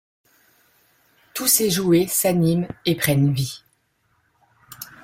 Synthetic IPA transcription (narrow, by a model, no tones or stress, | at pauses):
t̪useʒuesanimepχɛnvi